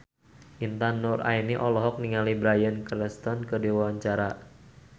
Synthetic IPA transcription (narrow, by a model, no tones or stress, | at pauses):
ʔint̪anʊra̰iniʔɔlɔɦɔk̚niŋalibɾajənkɾɛst̪ɔnkərdiwawaɲt͡ʃaɾa